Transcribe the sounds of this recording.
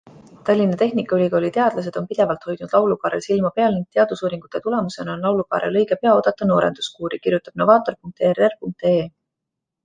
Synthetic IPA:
t̪ɑlʲːinɑt̪e̞ɦnikːˑɑylʲiko̞ːlʲit̪eɑd̪̥lɑs̬e̞d̪̥o̞npid̪̥e̞vɑlt̪ho̞jd̪̥nud̪̥lɑwlukɑːɾelsilmɑpeɑlniŋɡ̚t̪e̞ɑd̪̥usuːɾiŋɡ̥ut̪ːet̪ule̞muse̞nonlɑwlukɑ̰ːɾḛlɤ̞jɡe̞pe̞ɑo̞ːd̪̥ɑt̪ːˑɑno̞ːɾe̞̰nd̪̥u̥skuːɾikirjut̪ːɑb̥no̞vɑːt̪ːˑo̞rpuŋk̚t̪ererpuŋk̚t̪e̞

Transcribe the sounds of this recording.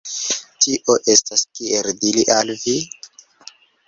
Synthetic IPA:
tiʔoʔe̞staskieɾdiliʔalvi

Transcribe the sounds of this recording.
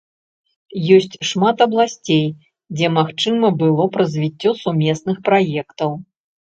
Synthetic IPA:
jɔsʲt͡sʲʂmat̪ɐblˠasʲt͡sʲej | d͡zʲɛmaxt͡ʂɨmɐbɨlˠɔpɾɐzʲvʲit͡sʲːɔsumʲɛsnɨxpɾajɛkt̪ɐw

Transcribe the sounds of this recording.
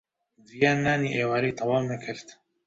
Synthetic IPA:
zijaːnːaːniːʔeːwaːɾeːt̪ʰɑwaːwmɛkʰɨɾt̪

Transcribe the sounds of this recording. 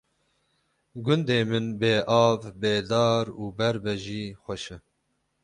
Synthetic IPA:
ɡʊnd̪eːmɨnbeːʔɑːvbeːd̪ɑːɾuːbɛɾbɛʒiːxʷɛʃɛ

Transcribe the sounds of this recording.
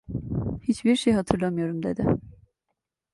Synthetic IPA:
hit͡ʃbiɾʃejɦat̪ʰɯɾlˠamɯjo̞ɾumd̪e̞d̪ɪ

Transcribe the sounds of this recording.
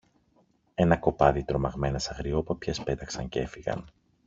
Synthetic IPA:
e̞nɐko̞pɐðit̪ɾomɐɣme̞nɐsɐɣɾio̞pɐpçespe̞t̪ɐksɐɲce̞fiɣɐ̰n

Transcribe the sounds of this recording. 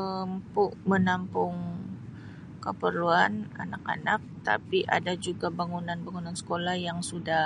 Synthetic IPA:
əmpʊʔmənampʊŋ | kəpərluana̰naka̰nak̚t̪a̰piʔa̰dad͡ʒuɡabaŋunanbaŋunansə̥kolahjaŋsudah

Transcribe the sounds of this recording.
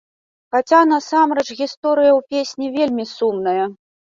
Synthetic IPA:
xat͡sʲanɐsamɾɛt͡ʂɣʲist̪ɔɾɨjɐwpʲesʲnʲivʲelʲmʲisumnɐjɐ

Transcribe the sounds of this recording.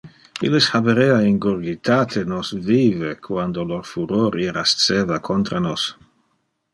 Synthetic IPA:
ḭleshabeɾeaiŋɡoɾɡit̪aːt̪ʰenosviːvekʰwand̪oloɾfuɾoɾiɾast̪t͡seːvakʰont̪ɾanos

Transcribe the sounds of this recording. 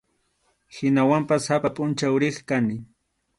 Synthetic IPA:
hɪnawampashapapʼʊnt͡ʃawɾɪχkanɪ

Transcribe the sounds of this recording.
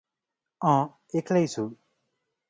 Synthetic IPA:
ɔ̃ | ekʰlʌjt͡sʰu

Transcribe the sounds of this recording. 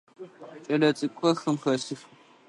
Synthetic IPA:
t͡ʃʼɐlɐt͡sʼɨkʷʰʼɐxɨmxɐsɨf

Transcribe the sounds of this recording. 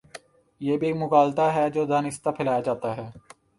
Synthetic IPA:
jeːbʱikmʊkaːlt̪aɦɛd͡ʒoːd̪aːnɪst̪apʰɪlaːjad͡ʒaːt̪aɦɛː

